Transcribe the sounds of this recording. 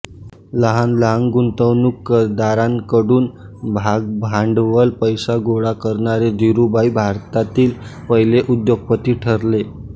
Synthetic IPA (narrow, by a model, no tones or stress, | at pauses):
ləɦanlaŋɡɡunt̪əwnukːəɾd̪aɾankəɽuːn | bʱaɡ̚bʱaɳɖʋəlpəjsaɡoɽakəɾɳaɾed̪ʱiɾubajbʱaɾt̪at̪iːlpəɦileʔud̪joɡ̚pət̪iːʈʰəɾle